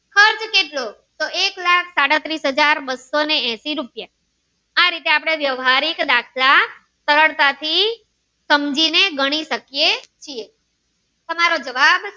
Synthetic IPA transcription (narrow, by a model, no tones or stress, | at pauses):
kʰəɾt͡ʃkeʈlo | t̪oeklakʰsaɽat̪ɾisɦəd͡ʒaɾbəsoneɛ̃siɾupja | aɾit̪eapɽ̃eʋjəʋɦaɾikd̪akʰla | səɾəɭt̪at̪ʰi | səmd͡ʒineɡəɽ̃iʃəkijet͡ʃie | t̪əmaɾod͡ʒəʋab